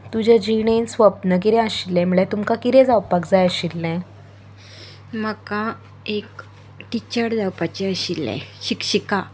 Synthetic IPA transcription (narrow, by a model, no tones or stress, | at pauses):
t̪ud͡ʑad͡ʑiɽensʋəpnək̬iɾɛ̃əɕilːɛ̃m̤əɭɛt̪umkakit̪ɛ̃d͡zawpakd͡zajəɕilːɛ̃ | məka | ek | ʈit͡ɕəɽd͡zawpat͡ɕeəɕilːɛ̰̃ɕikɕika